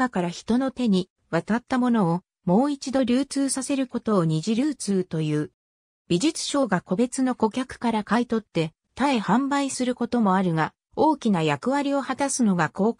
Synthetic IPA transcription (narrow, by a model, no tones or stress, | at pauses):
akaɾaçi̥t̪o̞no̞t̪e̞ɲ̟i | βat̪at̪ːamo̞no̞ː | mo̞ːit͡ɕid̪o̞ɾʲɨːt͡sɨːsase̞ɾɯ̟ko̞t̪o̞ːɲ̟iʑiɾɯːt͡sɨːt̪o̞jɯ̟ː | bʲiʑit͡sɨ̥ɕo̞ːɡako̞be̞t͡sɨno̞ko̞kʲakɯ̥kaɾakait̪o̞t̪ːe̞ | t̪ae̞hãmbaisɨɾɯ̟ko̞t̪o̞mo̞aɾɯ̟ɡa | o̞ːkʲinajakɯ̟βaɾʲio̞hat̪asɨno̞ɡako̞ː